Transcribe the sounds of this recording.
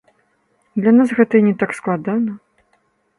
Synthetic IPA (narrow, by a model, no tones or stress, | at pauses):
d̪lʲanasɣɛt̪ɐinʲɛt̪aksklˠad̪anɐ